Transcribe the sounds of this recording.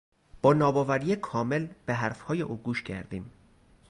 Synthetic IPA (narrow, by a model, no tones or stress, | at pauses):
b̥ɒːnɒːbɒːvæɾijekʰɒːme̞lb̥e̞ɦæɾfhɒːjeʔuːɡuːʃcʰæ̰ɾd̪iːm